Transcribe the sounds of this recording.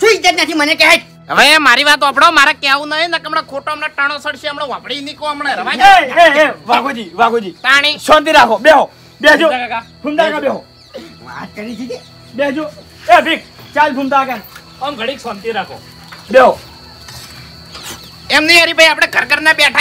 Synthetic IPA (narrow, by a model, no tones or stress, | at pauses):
ʃũit͡ʃt̪ːat̪nat̪ʰimənekɛɦat̪ | əʋemaɾiʋat̪oapɽaomaɾakeaʋũnəɦinakəmɳakʰoʈoəmnaʈaɽ̃osəɽʃeəmɽoʋãpɽinikoamɳeɾəʋãeeeʋaɡod͡ʒiʋaɡod͡ʒiːt̪aɽ̃isɔnt̪̬iɾakʰoɓeɦo | bed͡ʒuaɡakad̪ʱumd̪aɡabeɦo | ʋa̰t̪̚kəɾit͡ʃʰid͡ʒe | bed͡ʒu | ebik̚t͡ʃald̪ʱumd̪aɡa | əmɡʱəɽ̃iksɔnt̪iɾakʰo̰ | ɓeɦo | ɛmniaɾibʱəjapɽ̃eɡʱəɾkəɾnabjaʈʰ